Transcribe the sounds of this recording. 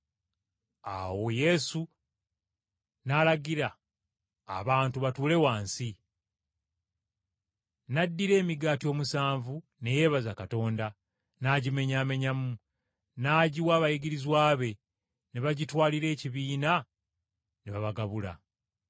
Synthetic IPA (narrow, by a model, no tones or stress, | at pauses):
a̰wo̞je̞su | nalaɡiɾa̰ː | βaːntuβatuːle̞waːnsi | nadːiɾe̞ːmiɡaːtio̞ːmusaːɱvu | ne̞je̞βazakato̞ːnda | naɟime̞ɲaːme̞ɲamu | naɟiwaːβajiɡiɾizwaːβe̞ | neβaɟitwaːliɾe̞ːciβiːna | neβaβaɡaβula̰